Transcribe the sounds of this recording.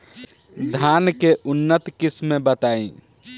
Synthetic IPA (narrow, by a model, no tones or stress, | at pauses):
d̪ʱankeʔunːət̪kismːebət̪aḭ̃